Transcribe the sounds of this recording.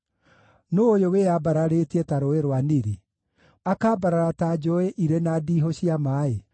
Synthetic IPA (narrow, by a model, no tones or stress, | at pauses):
noːjowejabaɾaɾetietaɾoeɾwaniɾi | akaːbaɾaɾatad͡ʒɔeʔiɾenadiːɦoɕiamaːe